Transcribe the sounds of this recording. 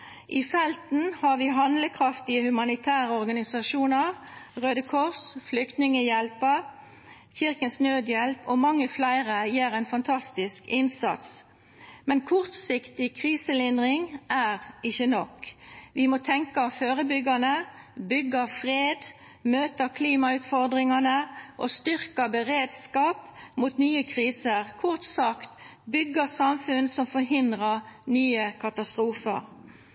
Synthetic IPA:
ʔifɛlt̪n̩hɑʁʋiːɦɑnd̪ləkʰʁɑft̪ɪəhʉmɑnɪt̪ʰæːʁəɔʁɡɑnɪsɑʃuːnəʁʁøːd̪əkʰɔʁsflʏkt̪nɪŋəjɛlpəʁ | çɪʁkənsnøːd̪jɛlpɔmɑŋːəflæɪʁəjeːʁɛeːnfɑnt̪ʰɑst̪ɪskɪnsɑ̰t̪s | mɛnkʰʊʁt̪sɪkt̪ɪkʰʁiːsəlɪnd̪ʁɪŋʔæːʁɪçənɔkʋɪmɔt̪ʰɛŋkəɑføːʁəbʏɡənəbʏɡːəfʁeːd̪ | møːt̪əkʰliːmɑʉt̪fɔʁd̪ʁɪŋɑnəʔost̪ʏʁkəbəʁeːd̪skɑːpmuːt̪nyːəkʰʁiːsəʁkʰʊʁt̪sɑkt̪bʏɡəsɑmfʉnsɔmfɔɾɦɪnd̪ʁənyːəkʰɑt̪ɑst̪ɾuːfə̰ɾ

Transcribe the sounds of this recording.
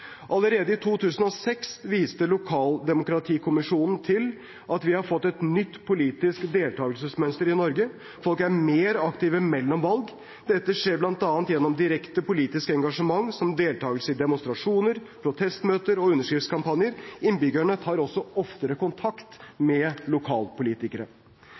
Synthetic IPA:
ʔɑləɾeːd̪əɪt̪ʰuːt̪ʰʉːsən̩ɔsɛksʋiːst̪əlʊkʰɑːld̪ɛmʊkɾɑt̪ʰiːkʰʊmɪʂuːnn̩t̪ʰɪl | ʔɑt̪ʋɪhɑɾfɔt̪ːɛt̪nʏt̪ːpʰʊliːt̪ɪskd̪eːlt̪ʰɑːɡlsəsmœnst̪əɾɪnɔɾɡə | fɔlkæɾmeːɾɑkt̪ɪːʋəmɛlːɔmʋɑlɡ | d̪ɛt̪ːəʂeːɾblɑnt̪ɑːnt̪jɛnːɔmd̪ɪɾɛkt̪əpʊliːt̪ɪskəɛŋɡɑʂəmɑŋːsɔmd̪eːlt̪ʰɑːɡəlsəɪd̪ɛmʊnst̪ɾɑʂuːnəɾpʰɾʊt̪ʰɛst̪møːt̪əɾɔʉnːəʂkɾɪft̪skʰɑmpɑnjəɾɪnbʏɡəɳət̪ʰɑːɾɔsːɔɔft̪əɾəkʊnt̪ʰɑkt̪mɛlʊkʰɑːlpʊliːt̪ɪkəɾə

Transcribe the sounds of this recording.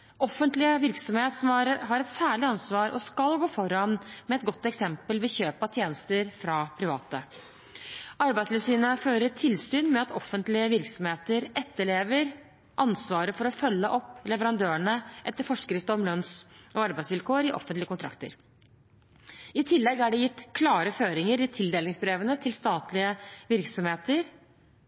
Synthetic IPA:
ɔfːənt̪lɪəʋɪɾksɔmheːt̪sɔmɑɾɦɑɾɛt̪sæːɭɪɑnsʋɑːɾʔɔskɑlɡoːfɔɾɑnmɛɛt̪ɡɔt̪ːɛksɛmpəlʋɪçøːpɑt̪ʰjeːnəst̪əɾfɾɑpʰɾɪʋɑ̰ːt̪ə | ʔɑɾbæɪslɛsyːnəføːɾəʈʰɪlsyːnmɛɑt̪ɔfːənt̪lɪəʋɪɾksɔmheːt̪əɾɛt̪ːəɭeːʋəɾ | ʔɑnsʋɑːɾəfɔɾɔfœlːəʔɔpːlɛʋəɾɑnd̪øːəɳəʔɛt̪ːəɾfɔʂkɾɪft̪əɔmlœnsɔɑɾbæɪsʋɪlkʰoːəɾɪʔɔ̰fənt̪lɪəkʊt̪ʰɾɑ̰k̚t̪ə̰ɾ | ɪt̪ʰɪlːɛɡæɖɛjɪt̪ːkʰlɑːɾəføːɾɪŋəɾɪt̪ʰɪld̪eːlɪŋsbɾeːʋənət̪ʰɪlst̪ɑːt̪lɪəʋɪɾksɔmheːt̪əɾ

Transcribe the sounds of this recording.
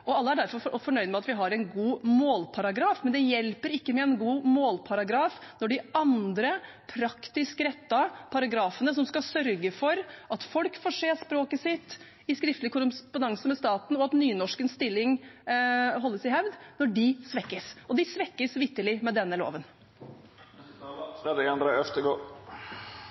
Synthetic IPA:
ɔɑlːəæɖæɾfɔɾɾɔfɔɳœʏd̪mɛɑt̪ʋɪɦɑɾɛɪnɡuːmoːlpʰɑɾɑɡɾɑːfmɛnd̪ɛjɛlpəɾɪkːəmɛɛnɡuːmoːlpʰɑɾɑɡɾɑːfnɔɖɪɑnd̪ɾə | pʰɾɑkt̪ɪskəɾɛt̪ːɑpʰɑɾɑɡɾɑːfənəs̬ɔmskɑsœɾɡəfɔɾʔɑt̪fɔlkfɔːʂeːspɾoːkəsɪt̪ː | ɪskɾɪft̪lɪkʰʊɾpʊnɑŋsəmɛst̪ɑːt̪n̩ɔɑt̪nyːnɔʂkənst̪ɪlːɪŋ | ɦɔlːəsɪhɛʋd̪nɔɖɪsʋɛkːəsʔɔd̪ɪsʋɛkːəsʋɪt̪ːəlɪmɛd̪ɛnːəlo̰ːʋən | d̪ɛɛnd̪ɾɑœft̪əɡoː

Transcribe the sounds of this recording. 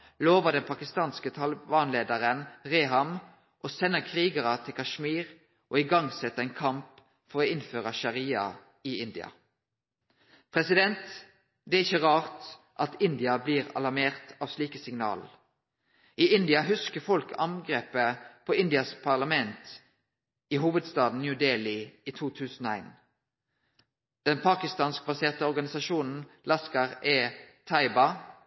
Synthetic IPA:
loːʋəʁd̪ɛnpʰɑkɪst̪ɑːnskət̪ʰɑləʋɑːnleːd̪əʁənʁeːɦɑm | ʔoːsɛnːəkʰʁiːɡɑʁɑt̪ʰɪlkʰɑʃmiːʁ | ʔoːɪɡɑŋsɛt̪ːəɛːnkʰɑmp | fɔɾoːɪnføːʁɑʃɑʁiːɑ̰ | ɪɪnd̪ɪ̰ɑ̰ | pʰʁɛsɪd̪ɛnt̪ | d̪ɛæɪçəʁɑːʁt̪ | ʔɑt̪ɪnd̪ɪɑbliːʁɑ̰lɑmeːʁt̪ɑːʋsliːkəsɪŋnɑ̰ːl | ʔiːɪnd̪ɪɑɦʉskəfɔlkɑ̰ŋɡʁeːpəpʰoːɪnd̪ɪɑspʰɑʁlɑmɛnt̪ | iːɦuːʋəd̪st̪ɑːd̪n̩njʉːd̪eːlɪiːt̪ʰuːt̪ʰʉːsn̩oːæ̰ɪn | d̪̥ɛnpʰɑːkɪst̪ɑːnsk̚bɑseːʁt̪əɔʁɡɑnɪsɑʃuːnn̩lɑskɑʁeːt̪ʰɑɪbɑ

